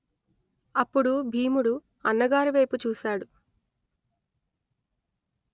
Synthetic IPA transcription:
ɐpːuɽubʱiːmuɽu | ɐnːɐɡaːɾiʋɐjput͡ʃuːsaːɽu

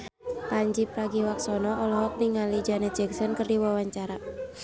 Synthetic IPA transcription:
kaɲd͡ʒipɾaɡiwak̚sɔnɔʔɔlɔɦɔk̚niŋalid͡ʒanɛd͡ʒɛksɔnkɨrdiwawaɲt͡ʃaɾa

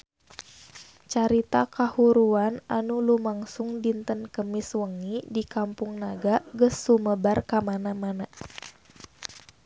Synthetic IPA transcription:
t͡ʃaɾit̪akahuɾuananulumaŋsuŋdint̪ənkəmiswəŋidikampuŋnaɡaɡəsːuməbarkamanamana

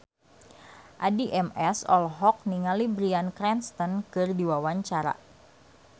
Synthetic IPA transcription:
ʔadiʔɛmɛsɔ̰lɦɔk̚niŋalibɾiankɾɛnst̪ənkɨrdiwawaɲt͡ʃaɾa̰

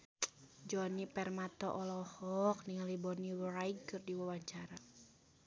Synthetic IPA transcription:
d͡ʒɔnipɛrmat̪ɔ̰ʔɔlɔhɔk̚niŋalibɔniwraiɡkɨrdiwawaɲt͡ʃaɾa

